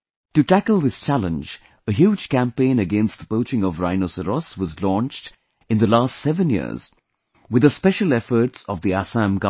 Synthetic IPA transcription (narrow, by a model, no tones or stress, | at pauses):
tɨtækəlˠðɪst͡ʃælə̃nd͡ʒ | əɦjud͡ʒ̥kæ̃mpẽɪ̃nɨɡɛ̃nst̪̚ðəpoʊt͡ʃɪ̃ŋɔvɾaɪnosəɾɔswʌzlɔ̃nt͡ʃt | ɨ̃nðəlaːstsɛvə̃njḭz̥ | wɨd̪əspɛʃəlˠɛfə˞tsɔvðiæsæ̃mɡa